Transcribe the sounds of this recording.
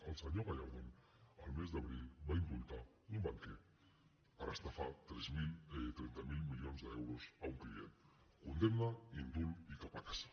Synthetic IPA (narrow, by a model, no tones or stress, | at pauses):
alsaɲoɣaʎawðen | almezðaβɾilbaimbult̪a | umbaŋke | paɾast̪afat̪ɾezmilet̪ɾent̪amilmiljonzðewɾosauŋklien | kund̪emnaind̪ulikapat̪as